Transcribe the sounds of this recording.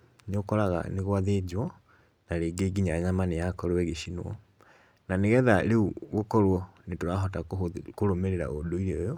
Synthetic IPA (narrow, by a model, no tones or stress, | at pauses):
nokɔɾaɣa̰neɣoaðed͡ʑwɔ | naɾeːɡeːɡiɲaɲamanejakɔɾowɛɣeɕinwɔ̰ | naneɣɛðaɾeuɣokɔɾwɔnetoɾaɦɔtakoɾomeɾeɾa̰ʔodoiɾeojɔ